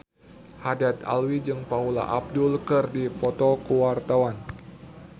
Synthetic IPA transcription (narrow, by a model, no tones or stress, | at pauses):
hadat̪a̰lwid͡ʒɨŋpaula̰ʔab̚dulkɨrdipɔt̪ɔkuwart̪awan